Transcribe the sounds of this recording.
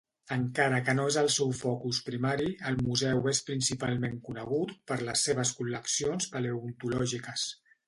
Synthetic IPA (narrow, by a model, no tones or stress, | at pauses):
əŋkaɾəkənoezəlˠsɛwfɔkuspɾimaɾiəlˠmuzɛwespɾinsipalˠmeŋkunəɣ̞ut̪pəɾləsːeβəskuləksionspəleunt̪ulɔʒikəs